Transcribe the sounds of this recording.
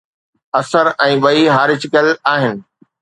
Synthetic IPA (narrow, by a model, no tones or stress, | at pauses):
ɐsəɾɛ̃ːɓɐiɦaːɾɪt͡ɕɪkəlaːɦɪnɪ̆